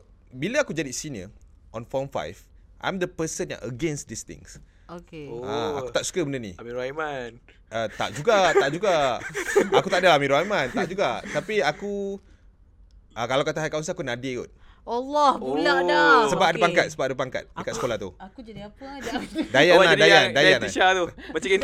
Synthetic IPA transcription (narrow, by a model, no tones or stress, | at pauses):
biləakud͡ʒadisiniə̰ʔɔ̃nfɔmfa̰jvʔa̰jmd̪əpəsənja̰ʔəɡɛ̃nsd̪ist̪ɪ̰̃ŋs | okeaa̰kut̪aʔsu̥kəbənənḭamiɾajman | ʔət̪a̰ʔd͡ʒuɡat̪aʔd͡ʒuɡa | akut̪aʔadəlaamĩɾuajmãnt̪aʔd͡ʒuɡat̪apiaku | ʔəkalawkat̪aɦajkaũnsəakunadiṵt̪̚alɔhbulaʔdasəbaʔ̚adəpaŋkat̪̚səbap̚adəpaŋka̰t̪̚bakat̪səkolat̪uakud͡ʒadiapədajanadajandajanʃat̪umat͡ʃaki